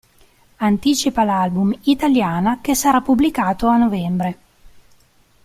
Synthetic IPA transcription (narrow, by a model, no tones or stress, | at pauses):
ant̪iːt͡ʃipalalbumit̪aljaːnakesaɾapːublikaːt̪oanːovɛmbɾe